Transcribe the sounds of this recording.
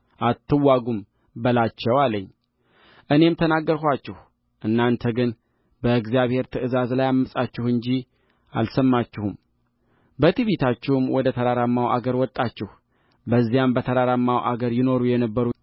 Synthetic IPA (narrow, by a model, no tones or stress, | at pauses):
ʔat̪ːɨwːaɡum | bəlat͡ʃːɛwaləɲː | ʔɨne̞mt̪ʰənaɡːəɾhʷat͡ʃːɪh | ʔɨnːant̪ʰəɡɨn | bəɨɡzijaβhe̞ɾt̪ʰɨɨzazlajamːəsʼat͡ʃːɪhɨɲd͡ʒi | a̰lsəmːat͡ʃːɪhum | bət̪ʰiβet̪ʰat͡ʃːɪhumwɔd̪ət̪ʰəɾaɾamːawʔa̰ɡəɾwɔt̪ʼːat͡ʃːɪh | bəzːijambət̪ʰəɾaɾamːawʔa̰ɡəɾjɪno̞ɾujɛnəbːəɾu